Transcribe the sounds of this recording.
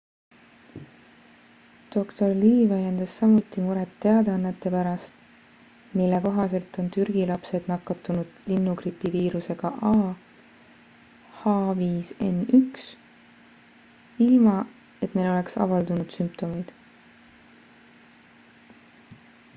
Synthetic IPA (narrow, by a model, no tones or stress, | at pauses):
d̪̥o̞kt̪o̞rliːvælʲjend̪̥ɑsːɑmut̪ːˑimuɾet̪ːe̞ɑd̪eɑnːet̪ːˑe̞pæɾɑst̪ | milːe̞ko̞ɦɑse̞lt̪ˑo̞nt̪yɾɡ̥ilɑpse̞d̪̥nɑkːˑɑt̪ːˑunud̪̥linːukripːˑiviːɾuse̞ɡ̥ɑʔɑː | hɑːviːse̞̰nyks | ilmɑ | e̞t̪nejlo̞le̞ksɑ̰vɑld̪unud̪̥sympt̪o̞mejd̪̥